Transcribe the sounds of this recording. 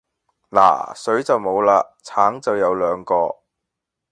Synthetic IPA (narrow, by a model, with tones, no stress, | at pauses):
la̰ː˨˩sɵ˨˥ɥt͡sɐ˨wmo˨˧wlaː˧t͡sʰaː˨˥ŋt͡sɐ˨wjɐ˨˧wlœː˨˧ŋkɔː˧